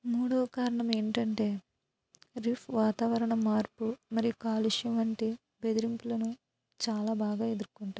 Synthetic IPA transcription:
muːɽoːɐkaːɾɐɳɐme̞ːɳʈɐɳʈe̞ː | ɾipʰʋaːt̪aːʋɐɾɐɳɐmaːɾpumɐɾijukaːluʂuʋɐɳʈi | be̞d̪iɾimpulɐnu | t͡ʃaːlaːbaːɡaːed̪uɾkuɳʈaː

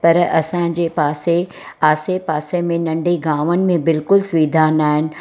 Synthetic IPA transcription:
pɐɾɐ̰sã̆ːd͡ʑeːpaːse | aːsepaːsemẽnɐ̃ɳɖʱiɡaːʋənɪ̆mẽbɪlkʊlsʋiːd̪ʱaːnaːɦɪnɪ̆

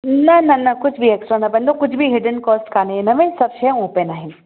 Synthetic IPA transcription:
nɐnɐnɐkʊt͡ʃʰbʱieksʈɾanɐbɐ̃nd̪okʊt͡ʃʰbʱiɦɪɖənkɔːsʈkaːneenɐʋẽsɐbʃeõːpenaɦĩn

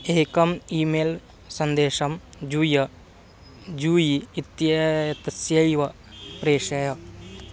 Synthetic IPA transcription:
eːkɐmiːmeːl | sɐnd̪eːʃɐmd͡ʒuːjɐ | d͡ʒuːjiit̪jɐt̪ɐsjɐjʋɐ | pɾeːʃɐjɐ

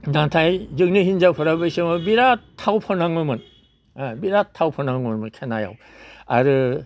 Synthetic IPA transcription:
nantʰajzɯŋnɯhinzawpʰɯɾabɯjsɯmɯbiɾatʰːawpʰɔnaŋɯmɯn | biɾatʰːawpʰɔnaŋɯnmɯnkʰenaja̰w | a̰ɾɯ

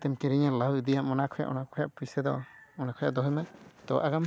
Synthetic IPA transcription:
t̪ɛmkɛɾiɲalawid̪ijaʔmɔnakʰɔja̰ʔɔ̰nakʰɔjaʔpusɛd̪ɔɔnakʰɔja̰ʔd̪ɔɦɔmant̪ɔ̰ʔaɡam

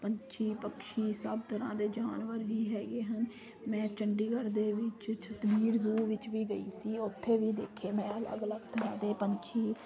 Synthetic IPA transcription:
pəɲt͡ʃʰiːpəkʃiːsəbt̪əɾã̰ːd̪eːd͡ʒaːnʋəɾʋiːɦɛːɡeːɦən | mɛ̃ːt͡ʃəɳɖiːɡəɾd̪eːʋɪt͡ʃt͡ʃʰət̪biːɾzuːʋɪt͡ʃʋiːɡəiːsiːʊt̪ʰːeːʋiːd̪eːkʰeːmɛ̃ːələ̰ɡləɡt̪ənãːd̪eːpəɲt͡ʃʰiː

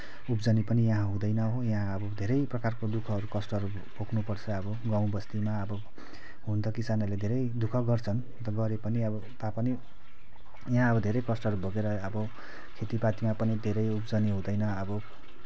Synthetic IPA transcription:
upd͡zʌnipʌnijãɦãɦũd̪ʌjnʌɦojãɦãʌbʌd̪ʱeɾʌjprʌkarkod̪ukʰʌɾukʌsʈʌʌɾu | pokʰnupʌrt͡sʰʌʌbʌɡaw̃bʌst̪imaʌbʌ | ɦunt̪ʰʌkisanʌled̪ʱeɾʌjd̪ukʰʌɡʌrt͡sʰʌn | t̪ʌɡʌɾepʌniʌbʌt̪apʌni | jaɦãʌbʌd̪ʱeɾʌjkʌsʈʌɦʌɾuboɡeɾʌʌbʌ | kʰet̪ipat̪imapʌnid̪ʱeɾʌjupd͡zʌniɦũd̪ʌjnʌʌbʌ

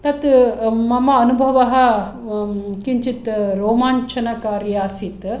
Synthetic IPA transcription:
t̪ɐt̪mɐmɐɐnubʱɐʋɐɦɐ̆ | kiɲt͡ʃit̪ɾoːmaːɲt͡ʃʰɐnɐkaːɾjaːsit̪

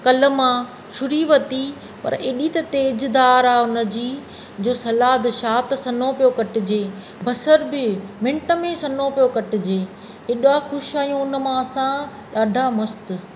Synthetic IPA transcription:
kɐlə̆mã | ʃʊɾiʋɐt̪i | pɐ̰ɾeːɗit̪ɐt̪eːd͡ʑd̪aːɾaːʊnə̆d͡ʑiː | d͡ʑoːsɐlaːd̪ʃaːt̪sɐnopijokɐʈɪ̆d͡ʑeː | bʱɐsəɾbɪmɪ̃ɳʈə̆mẽsɐnopijokɐʈɪ̆d͡ʑeː | eɗaxʊʃaːjũʊnə̆mãɐsã | ɗaːɖʱamɐst̪̆

